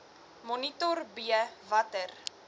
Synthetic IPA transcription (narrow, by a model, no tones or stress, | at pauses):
mɔnitɔrbiəvɐtər